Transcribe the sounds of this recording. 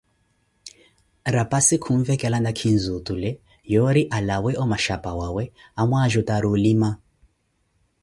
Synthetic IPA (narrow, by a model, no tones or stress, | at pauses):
ɾapasikʰuɱvɛkʼɛlandakʰinzutulɛ | jɔɾiʔalawɛʔɔmaʃapawawɛamwaʒɔtaɾulima